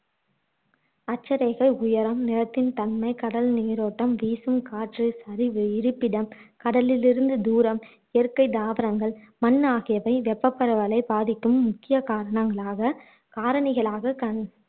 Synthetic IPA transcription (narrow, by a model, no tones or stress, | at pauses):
ɐt͡ʃːɐɾeːɣɐɪʊjɐɾɐmnɪɾɐt̪ːɪnt̪ɐnmɐɪkɐɽɐlniːɾoːʈːɐmʋiːsɯmkaːʈrɯsɐɾɪʋɯɪɾɯpːɪɽɐmkɐɽɐlɪlɪɾɯnd̪ɯd̪uːɾɐm | ɛɛɾkɐɪd̪aːʋɐɾɐŋɡɐɭ | mɐnːaːɣɪjɐʋɐɪʋɛpːɐpːɐɾɐʋɐlɐɪbaːðɪkːɯmːʊkːɪjɐkaːɾɐɳɐŋɡɐɭaːɣɐ | kaːɾɐɳɪɣɐɭaːɣɐkɐn